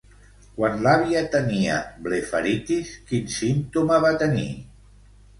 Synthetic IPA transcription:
kwanlaβiat̪ənia̰blefə̰ɾit̪iskinsint̪umaβat̪ənḭ

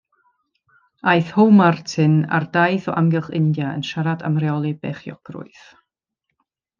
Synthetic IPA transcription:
ajθhowmartʰɪna̰rdajθɔʔamɡɛlˠχɪndjaə̰nʃaɾada̰mrɛɔlˠibeːχjɔ̰ɡ̥rʊ̰ɨθ

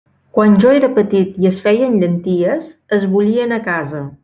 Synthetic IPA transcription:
kwanʲʒɔeɾəpət̪it̪iəsfɛjənʎənt̪iəsəzβuʎiənəkazə

